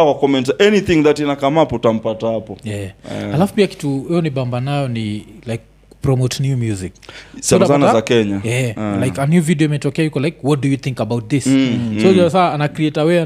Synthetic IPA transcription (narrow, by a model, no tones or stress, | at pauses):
awakɔmɛ̃ntɛniθĩŋðatinakamapɔtam̩patahapɔjɛalafu̥piaki̥tuwɛjɔnibambanajɔnilajk̚ | pɾɔmotnjumjuziksaazanazakɛɲajɛlajkanjuvidiɔimɛtɔkɛajukɔlajkwɔt̚dujuθĩŋkabawt̚ðisɔd͡ʒasaːnakɾiɛtawɛ